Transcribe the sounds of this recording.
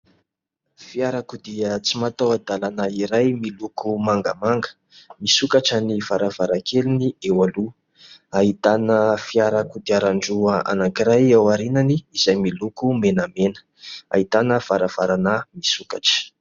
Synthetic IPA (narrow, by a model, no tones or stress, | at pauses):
fiaɾakud̪iət͡simat̪awad̪alanaiɾajmilukʰumaŋɡəmaŋɡə̥ | misukaʈ͡ʂaniv̥aɾav̥aɾakʰeliniewalu | ait̪anəfiaɾakud̪iaɾaɳɖ͡ʐuaa̰naŋkiɾajawaɾinaniizajmilukumenamenə̥ | a̰it̪anəv̥aɾav̥aɾanamisukaʈ͡ʂə̥